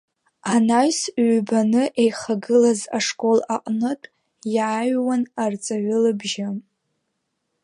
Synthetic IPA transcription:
anajsɥʷbanɨʔejχaɡɨlazaʂkʼo̞laqʼnɨtʼ | jaːɥwanart͡sʼaɥʊlɨbʒɪ

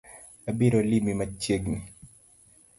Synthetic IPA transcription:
abiɾolimimat͡ʃjeɡni

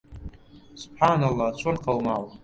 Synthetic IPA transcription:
sub̥ħanalˠːat͡ɕʷʰʼanqʰalmaw

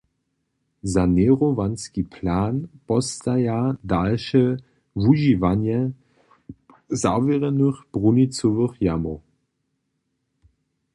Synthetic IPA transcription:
zanɛʁovanskipʰlaːnpɔstajadalʃə | vuʒivanjɛ | zavɛʁɛnəχb̥ʁunit͡sovəχjamo

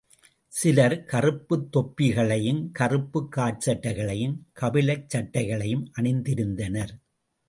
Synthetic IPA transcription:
sɪlɐɾkɐrɯpːɯt̪ːɔpːɪɣɐɭɐjɯmkɐrɯpːɯkːaːʈ̚t͡ʃɐʈːɐɪɣɐɭɐjɯmkɐʋɪlɐɪt͡ʃːɐʈːɐɪɣɐɭɐjɯmʔɐɳɪnd̪ɪɾɯnd̪ɐnɐɾ

